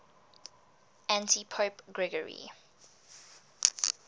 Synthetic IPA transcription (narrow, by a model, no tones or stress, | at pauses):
æ̃ntʰipʰoːpɡɹɛɡəɹḭ